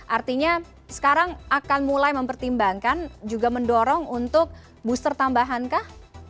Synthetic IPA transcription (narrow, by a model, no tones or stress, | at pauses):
ʔart̪iɲa | sə̥kaɾaŋakanmulajməmpərt̪imbaŋkand͡ʒuɡaməndɔɾɔŋunt̪ʊk̚ | bust̪ərt̪ambaɦankah